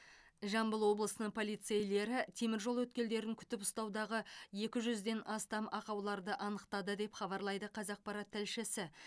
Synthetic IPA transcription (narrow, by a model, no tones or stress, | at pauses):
ʒɑmbəlˠwo̞blˠəsənəɴpʰo̞lˠijt̪sejle̞ɾɪt̪ʰe̞mɪɾʒo̞lˠwɵt̪̚kʲe̞ld̪e̞ɾɪŋkʲʰʏ̥t̪ɪpʊ̥st̪ɑwd̪ɑʁəje̞kʲɪʒʏzd̪e̞nʔɑst̪ɑmɑqɑwlˠɑɾd̪əʔɑnəqt̪ɑd̪əd̪e̞pχɑbɑɾlˠɑjd̪əqʰɑzɑq̚pɑɾɑt̪ʰːælʃɪsɪ